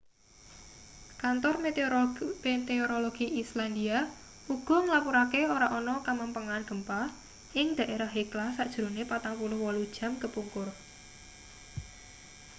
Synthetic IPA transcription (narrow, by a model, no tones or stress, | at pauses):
kant̪ɔr | met̪eoɾoloɡ̥iʔisland̪ia | uɡ̥ɔ̤ŋlapuɾakeoɾaʔɔnɔkamampəŋanɡ̥əmpa | ʔɪŋd̪̥ä̤ʔeɾahɦiklahsaʔd̥ʒ̥ɾunepat̪aŋpulʊhwɔlud̥ʒ̥a̤mkəpuŋkʊr